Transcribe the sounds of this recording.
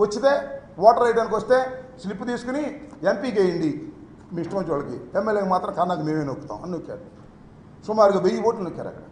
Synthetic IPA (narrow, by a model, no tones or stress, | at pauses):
ʋɐt͡ʃːit̪e̞ːʋɔːʈɐɾɐjʈɐnikʋɐst̪e̞ːslipːut̪iːsu̥kuniempiːkejɐɳɖi | miːiʂʈɐmiɲt͡ʃʋaːɭɐkḭemːelːjeːkɐmaːt̪ɾɐ̃kɐɾnaːkɐmeːmeːnokːu̥t̪a̰ːw̃ɐnːokːa̰ːɾu | sumaːɾuɡaːʋejipoːʈlɐnukːɐɾɐ̰kʈɐ